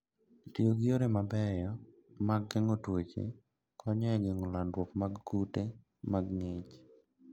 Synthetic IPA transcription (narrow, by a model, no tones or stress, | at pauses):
tioɡɪoɾemabɛjɔ | maɡːɛŋotwet͡ʃḛ | kʰɔɲɛɡeŋolandwokmaɡkute | maɡŋet͡ʃ